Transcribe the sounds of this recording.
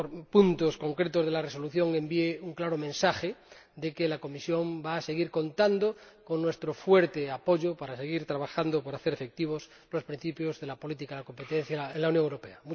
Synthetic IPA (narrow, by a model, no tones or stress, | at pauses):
oɾpunt̪osko̞ŋkɾet̪ozðelareso̞luθjo̞ŋe̞mbieuŋklaɾomẽnsaxe | d̪ekelako̞misjo̞mbaːse̞ɣ̞iɾko̞nt̪and̪o | ko̞ŋnwe̞st̪ɾofweɾt̪eapo̞ʝopaɾaseɣ̞iɾt̪ɾaβaxand̪opoɾaθe̞ɾefe̞k̚t̪iβ̞os | lospɾĩn̟θipjozðelapo̞lit̪ikalako̞mpet̪ẽn̟θjaenlaunjoŋewɾope̞amu